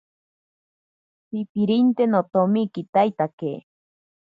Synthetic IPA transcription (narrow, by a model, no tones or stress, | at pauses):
pipiɾint̪enot̪omikit̪ajt̪ake